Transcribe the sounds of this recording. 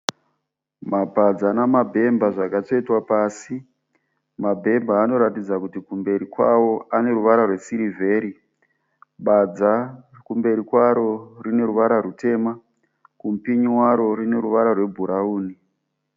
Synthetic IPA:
mabʱad͡zanamabʱe̞mbaʐakat͡ʂo̞itwapaːsi | mabʱe̞mbaːno̞ɾatid͡zakutikumbe̞ɾikwawo̞ʔane̞ɾuʋaɾarwe̞siɾivʱe̞ːɾi | ɓad͡za | kumbe̞ɾikwaɾo̞rine̞ɾuʋaɾarute̞ːma | kumpiɲiwaɾo̞rine̞ɾuʋaɾarwe̞bʱuɾauːni

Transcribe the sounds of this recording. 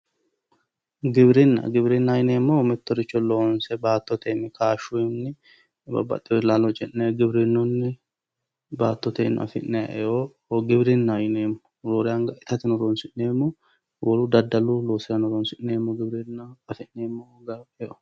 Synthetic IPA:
ɡɪbɾɪnːɐ̰ɡɪbɾɪnːɐjɪneːmːɔmɛt̪ːɔɾɪt͡ʃːɔloːnsɛbaːt̪ːɔt̪ʰenːɪkʰaːʃunːɪ | bɐ̰bɐ̰t̪ʼːɪjɔlaːlɔt͡ʃʼɛʔneɡɪbɾɪnːʊnːɪ | baːt̪ːɔt̪en̰ɐ̰fɪʔnɛ̰ʔɛo | ɡɪbɾɪnːajɪneːmːɔ̥ɾoːɾɪaŋɡɐɪt̪ɐt̪ɪnɔɾoːnsɪʔneːmːɔ | wʔɔɾud̪ɐd̪ːɐluloːsɪɐnɔɾɔnsɪʔneːmːɔɡɪbɾɪnːaɐfɪʔneːmːoɡɐɛo

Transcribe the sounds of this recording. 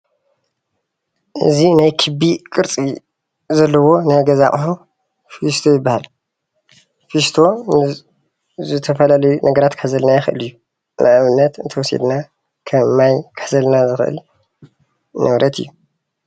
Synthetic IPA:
ʔɨ̰zinajkʰɨbikʼɨɾt͡sʼi | zɐlːɐwo̞nɐɡɐzaχʼħu | fist̪ʰo̞jɪbːahal | fist̪ʰo̞ | zɨt̪ʰɐfɐlalɐjunʔɐɡɐɾat̪kʰɨħzɐlnajɪxʔɨ̰lɨjːu | nʔaʔaβɨnːɐt̪ɨnt̪ʰɐwɔsḛd̪na | kʰɐmːajkʰɨ̥ħzɐlnazɨxʔɨ̰l | nʔɐβɾʔɐt̪ʰɨ̰jːu

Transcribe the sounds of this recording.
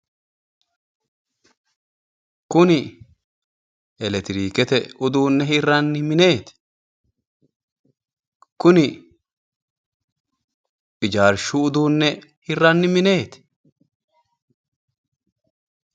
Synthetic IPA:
kʊnɪ | ɛlɛt̪ɪɾiːkɛt̪ɛʊd̪uːnːɛhɪrɐnːɪmɪne̞ːt̪ɪ̥ | kʊnɪ | pɪd͡ʒaːɾʃuʊd̪uːnːɛhɪrːɐnːɪmɪne̞ːt̪ɪ̥

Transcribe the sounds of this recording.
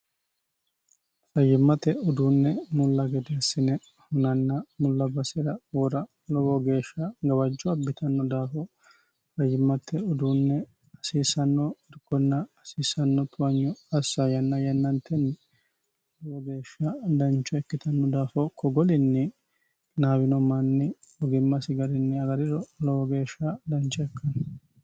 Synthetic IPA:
fɐjːɪmːɐt̪ɛʊd̪unːɛmʊlːɐɡɛd̪eɐsːɪnɛ | hʊnɐnːɐmʊlːɐbɐsɪɾɐwɔɾɐ | lɔwɔɡe̞ːʃːɐɡɐwɐd͡ʒːɔɐbːɪt̪ɐnːɔd̪aːfɔ | fɐjːɪmːɐt̪ːɛʊd̪uːnːɛ | ɐsiːsɐnːɔɪɾkːɔnːɐːsiːsɐnːɔt̪ʰʊɐɲːɔɐsːɐjɐnːɐjɐnːɐnt̪ʰːɛnːɛ | lɔwɔɡe̞ːʃːɐd̪ɐnt͡ʃːɔɛkːɪt̪ɐnːɔd̪aːfɔkɔɡɔlɪnːɛ | naːbɪnɔmɐnːɛ | ɔɡɪmːɐsɪɡɐɾɪnːɛɐɡɐɾɪɾɔlɔwɔɡe̞ːʃːɐd̪ɐnt͡ʃːɔɛkːɐnɐ

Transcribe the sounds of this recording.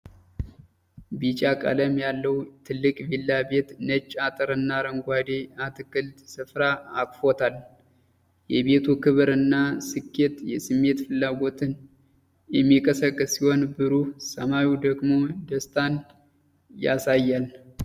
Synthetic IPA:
bit͡ʃʼakʼə̰ləmjalːəwt̪ʰɨlːɨkʼbilːabe̞t̪nət͡ʃʼːat̪ʼɨɾɨnːaɾəŋɡʷad̪eat̪ʰɨkɨlt̪sɨfɾaːkʼfo̞t̪ʰal | jɛβe̞t̪ʰukʰɨβɨɾɨnːasɨkːe̞t̪jɛsɨmːe̞t̪fɨlːaɡo̞t̪ʰɨn | jɛmːikʼəsəkʼːɨsːiho̞nbɨɾusəmajud̪əɡmo̞d̪əst̪ʰan | ja̰sajːal

